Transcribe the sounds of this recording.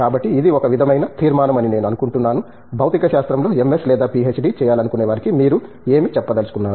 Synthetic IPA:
kaːbɐʈːiːd̪iɔkɐʋid̪ʱɐmɐjnɐt̪ʰiːɾmaːnɐmɐnine̞ːnuɐnukuɳʈunːaːnu | bʱɐwt̪ikɐʃaːst̪ɾɐmlo̞ːe̞meslɛːd̪aːpiet͡ʃɖit͡ʃɛːjaːlɐnukuneːʋaɾikimiːɾu | e̞ːmit͡ʃɛpːɐd̪ɐlusu̥kunːaːɾu

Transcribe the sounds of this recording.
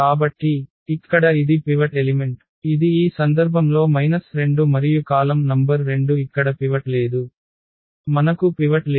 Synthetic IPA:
aːbɐʈːiː | kːɐɽɐid̪ipiʋɐʈelime̞ɳʈ | id̪iːsɐnd̪ɐɾbʱɐmlo̞ːmɐjnɐsɾe̞ɳɖumɐɾijukaːlɐmnɐmbɐɾːe̞ɳɖuikːɐɽɐpiʋɐʈle̞ːd̪u | mɐnɐkupiʋɐʈlː

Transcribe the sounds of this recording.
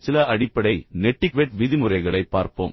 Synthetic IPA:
sɪlɐʔɐɽɪpːɐɽɐɪnɛʈːɪkʋeʈʋɪðɪmɯrɐɪɣɐɭɐɪpːaːɾpo̰ːm

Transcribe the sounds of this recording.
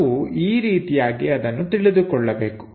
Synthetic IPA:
uiːɾiːt̪ijaːɡiɐd̪ɐnːut̪iɭid̪ukɔɭːɐbeːku̥

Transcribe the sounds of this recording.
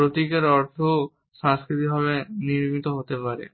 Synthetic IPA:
pɾot̪ikeɾɔɾt̪ʰo | ʃãŋskɾit̪ibʱaβeniɾmit̪oɦot̪epaɾḛ

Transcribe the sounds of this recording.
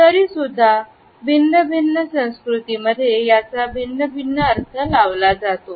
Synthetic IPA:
t̪əɾiːsud̪ʱːa | bʱinːəbʱinːəsə̃w̃skɾut̪iməd̪ʱjejat͡sabʱinːəbʱinːəəɾt̪ʰəlaʋlad͡zat̪o

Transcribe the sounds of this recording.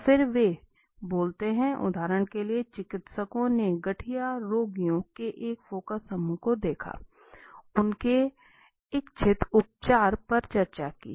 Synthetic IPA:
pɪɾʋe | boːlt̪eɦɛ̃ʔʊ̰d̪ʱaːɾəɽ̃keliet͡ʃɪkɪt̪səkõneɡɐʈʰijaɾoːɡijõkeʔeːkfoːkəsːɐmuːkod̪eːkʰa̰ː | ʊnke | ɪkt͡ʃʰɪt̪ʊp̚t͡ʃaːɾpɐɾt͡ʃɐɾt͡ʃakḭː

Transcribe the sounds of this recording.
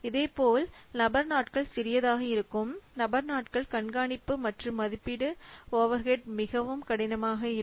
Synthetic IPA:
ɪðeːpoːlnɐbɐɾnaːʈkɐɭsɪɾɪjɐðaːɣɐɪɾɯkːɯmnɐbɐɾnaːʈkɐɭkɐɳɡaːɳɪpːɯmɐʈrɯmɐðɪpːɪɽɯoːʋɐɾɣeʈ̚mɪɣɐʋɯmkɐɽɪnɐmaːɣɐɪ

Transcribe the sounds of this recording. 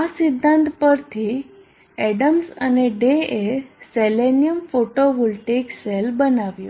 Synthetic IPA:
asid̪ʱːãnt̪pəɾt̪ʰiː | ɛɽəmsaneɖeeselenijəmfoʈoʋulʈekselbənaʋjo

